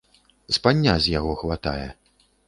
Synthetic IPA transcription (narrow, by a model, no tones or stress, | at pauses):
spanʲːazʲjaɣɔxvat̪a̰jɛ